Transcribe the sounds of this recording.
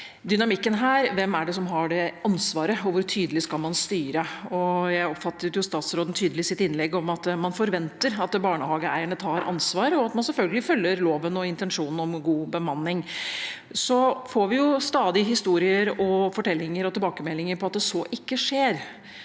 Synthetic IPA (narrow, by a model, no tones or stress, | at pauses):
d̪ʏnɑmɪkːənɦæːɾʋɛmæɖɛs̬ɔmɦɑɖɛɑnsʋɑːɾəɔʋʊɾʈʰyːd̪əlɪskɑlmɑnst̪yːɾəɔjæɪɔpfɑt̪ːəɾjʊst̪ɑːt̪sɾoːd̪n̩t̪ʰyːd̪əlɪsɪt̪ɪnlɛɡɔmɑt̪mɑnfɔɾʋɛnt̪əɾɑt̪bɑːɳəhɑːɡəæɪəɳət̪ʰɑːɾɑ̰nsʋɑːɾəɔɑt̪mɑnsɛlfœlɡəlɪfœlːəɾloːʋənɔɪnt̪ɛnʂuːnn̩ɔmɡuːbəmɑnːɪŋ | sɔfoːɾʋɪjʊst̪ɑːd̪ɪɦɪst̪uːɾɪəɾɔfɔʈʰɛlːɪŋəɾɔt̪ʰɪlbɑːkəmɛlːɪŋəɾpʰɔɑt̪̚d̪ɛsɔʔɪkːəʂeːɾ